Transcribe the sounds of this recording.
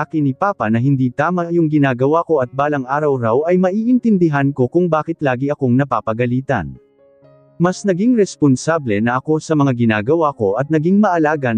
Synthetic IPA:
akɪnipaːpɐnɐɦɪnd̪iːt̪aːmɐjʊŋɡɪnaːɡɐwako̞ʔɐt̪̚baːlɐŋʔaːɾɐwɾawɐjmɐʔiːʔɪnt̪ɪnd̪ɪɦanko̞kʊŋbaːkɪt̪laːɡiɐko̞ŋnɐpaːpɐɡɐliːt̪ɐ̰n | mɐsnɐɡiŋɾɛsponsablɛnɐʔɐko̞sɐmɐŋaɡɪnaːɡɐwako̞ʔɐt̪̚nɐɡiŋmɐʔɐlaːɡɐ

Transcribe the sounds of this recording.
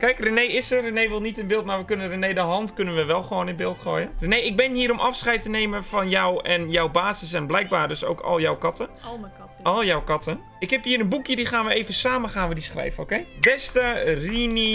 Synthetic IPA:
kɛjkrənejɪsərənejʋɪlˠnitɪnbɪːlˠtmarʋəkønərənejdəɦɔntkønənʋəʋɛlˠxʋoːnɪnbɪːlˠtχo̰ːjənrənejɪɡ̚bɪnhiːəɾomʔɑfsχɛjtəneːməfɔnjɔwɛnjɔwbaːzəsɛnblɛjk̚baːrdøso̰ːkɔ̰lˠjɔwkɔtə | ɔlˠjɔwkɑtən | ɪkhɛphiːəɾənbukjədixaːnʋəeːvənsaːmənxaːnʋədisxrɛ̰jvənowkejbɛstərini

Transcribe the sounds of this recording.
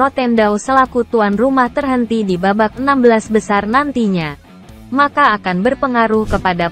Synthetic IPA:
rot̪ɛndawsəlakut̪uanrumaht̪ərɦənt̪idibabak̚ənambəlasbəsarnant̪iɲa | makaːkanbərpəŋaɾuhkəpada

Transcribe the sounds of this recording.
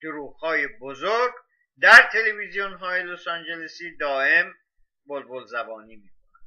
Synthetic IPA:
d̪̥oɾuːɣhɒːjebozoɾɡ | d̪æɾt̪ʰe̞levizijonɦɒːjelosɑnd͡ʒelesiːd̪ɒːe̞m | bolbolzæbɒːniːmiːkʰonænd̥̪

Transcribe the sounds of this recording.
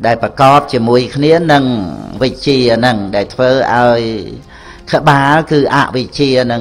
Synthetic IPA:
ɗaɛlprɑkɑːp̚t͡ɕiəmuəjkʰniənɨŋʋɨc̚t͡ɕiənɨŋɗaɛlt̪ʰʋəːʔa̰ɔj | kʰə̆ɓaːlkɨːʔa̰ʔʋɨc̚t͡ɕiənɨ

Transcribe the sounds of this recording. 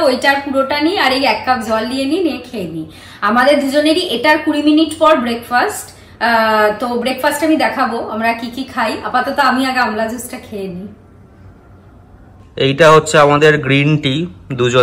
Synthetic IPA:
ojʈaɾpuɾoʈaniaɾejɛkːapd͡ʑɔlːijeniniekʰeeni | amad̪eɾd̪ud͡ʑoneɾiʔeʈaɾkuɾiminiʈpɔɾbɾekfasʈ | t̪obɾekfasʈamid̪ɛkʰaboamɾakikikʰajapat̪ɔt̪oamiaɡamlad͡ʑusʈakʰeeni | ejʈaɦotːɕʰeamad̪eɾɡɾinʈid̪ud͡ʑo

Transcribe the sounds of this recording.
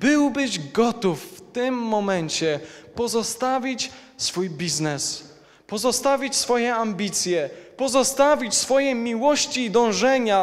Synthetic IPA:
bɘwbɘʑɡɔt̪ufːt̪ɘmːɔmɛɲt͡ɕɛpɔzɔst̪avʲit͡ɕ | sfujbʲiznɛs | pɔzɔst̪avʲit͡ɕsfɔjɛambʲit̪sʲjɛpɔzɔst̪avʲit͡ɕsfɔjɛmʲiwɔɕt͡ɕiːd̪ɔ̃w̃ʐɛɲa

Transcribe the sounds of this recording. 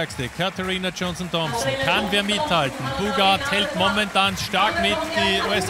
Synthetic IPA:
ɐkstəkʰatʰəʁiːnad͡ʒɔnsn̩tɔmsn̩kʰanveːɐmɪthaltn̩buːɡathɛltmɔmɛntaːnʃtaɐkmɪtd̥iːuːɛs

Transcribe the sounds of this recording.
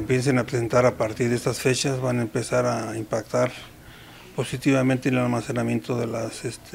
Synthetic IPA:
empje̞ns̬enapɾesent̪aɾapaɾt̪iɾðest̪asfe̞t͡ʃazβanaempe̞saɾaimpakt̪aɾ | po̞sit̪iβament̪enelalmase̞namjẽ̞nt̪oðelasest̪ʰe

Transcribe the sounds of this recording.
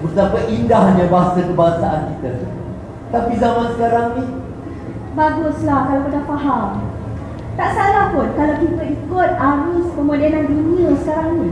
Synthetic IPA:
bərt̪apaʔindahɲãbaɦasakəbaŋsaʔankit̪atu | t̪apizamansə̥kaɾaŋnih | baɡʊslahkalakit̪apaɦam | t̪aʔsalahpʊnkalawkit̪aikʊt̪̚aɾuspəmudanandiniəsə̥kaɾaŋni

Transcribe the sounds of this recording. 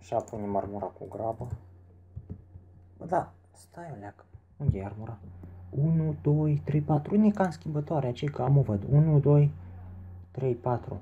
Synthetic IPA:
ʃapunʲimərmuɾakuɡɾabə | məd̪a | st̪ajolʲak | uŋɡʲearmuɾaunud̪ojt̪ɾepat̪ɾunʲikanskʲimbət̪ɔɾʲat͡ʃekaamuvəd̪unud̪oj | t̪ɾejpat̪ɾṵ

